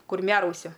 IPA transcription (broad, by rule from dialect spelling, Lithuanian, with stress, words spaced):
kʊrʲˈmʲæːrɐʊsʲʊ